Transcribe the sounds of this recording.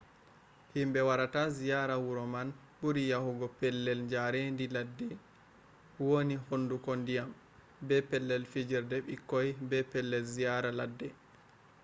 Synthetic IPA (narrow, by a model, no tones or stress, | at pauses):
himbɛwaɾatazijaɾawuɾɔman | buɾijahuɡɔpɛlːɛlɲd͡ʒaɾendiladːɛ | wonihondukondijam | bɛpɛlːɛlfid͡ʒiɾdɛɓikːɔjbɛpɛlːɛlzijaɾaladːɛ